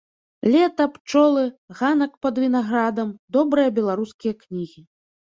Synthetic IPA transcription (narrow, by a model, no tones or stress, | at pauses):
lʲɛt̪ɐpt͡ʂɔlˠɨɣanɐkpɐd̪vʲin̪aɣɾad̪ɐmd̪ɔbɾɨjɐbʲɛlˠaɾuskʲijɐknʲiɣʲi